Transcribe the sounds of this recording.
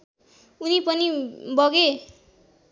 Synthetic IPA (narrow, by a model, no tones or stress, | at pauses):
unipʌnibʌɡe